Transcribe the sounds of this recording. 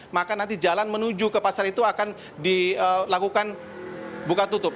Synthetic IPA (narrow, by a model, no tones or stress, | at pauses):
makanant̪id͡ʒalanmənud͡ʒukəpasalit̪uakan | diəlakukan | bukat̪ut̪ʊp̚